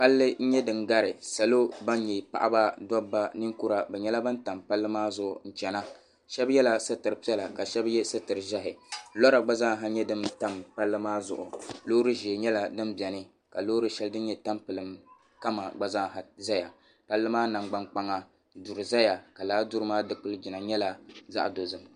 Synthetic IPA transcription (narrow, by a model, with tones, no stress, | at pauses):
pa˦lːɨ˦n̩˦ɲɛ˦dɨ˨nɡa˦ɾɪ˨sa˨lo˦ba˦n˦ɲe˨pa̰˨ʔa̰˦ba˦da˦bːa˦nɨ˦ŋku˦ɾa˨bɛ˨ɲɛ˦la˦ba˦n˦ta˨mpa˦lːɨ˦maː˦zʊ˦ʔʊ̰˨n̩˨t͡ʃɛ˨na˦ | ʃɛ˦bjɛ˦la˦sɨ˦tɨ˨ɾɨ˨pi˦ɛ˦la˨ka˨ʃɛ˦bjɛ˦sɨ˦tɨ˨ɾɨ˨ʒa˦ɦɪ˨lɔ˦ɾa˨ɡ͡ba˦za˦ŋ˨ɦa˦ɲɛ˦dɨ˦mta˦mpa˦lːɨ˦maː˦zʊ̰˨ʔʊ̰˨loː˦ɾɨ˦ʒe˨ɲɛ˦la˦dɨ˦mbi˨ɛ˨nɨ˦ | ka˨loː˦ɾɨ˦ʃɛ˦ldɨ˦n˦ɲɛ˦ta˦mpɨ˨lɨ˨m | ka˦ma˨ɡ͡ba˦za˦ŋ˨ɦa˨za˦ja̰˨ | pa˦lːɨ˦maː˦na˨ŋɡ͡ba˦ŋk͡pa˦ŋa˦ | du˨ɾɨ˨za˦ja˨ka˨laː˦du˦ɾɨ˦maː˦dɨ˦k͡pɨ˦ld͡ʒi˨na˨ɲɛ˦la˦za̰˦ʔdo˨zɨ˨m